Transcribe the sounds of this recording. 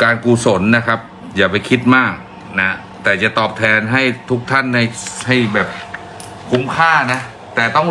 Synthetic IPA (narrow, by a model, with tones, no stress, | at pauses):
kaː˧nkuː˧˩so˩˦nːa˦˥kʰa˦˥p̚ | jaː˨˩pa˧jkʰi˦˥t̪̚maː˥˩k̚ | na˦˥ | t̪ɛː˨˩t͡ɕa˨˩t̪ɔː˨˩p̚t̪ʰɛː˧nɦa˥˩jt̪ʰu˦˥k̚t̪ʰa˥˩nːa˧˩˧jha˥˩jbɛː˨˩p̚ | kʰu˧˥˩mkʰaː˥˩na˦˥ | t̪ɛː˨˩t̪ɔ˥˩ŋ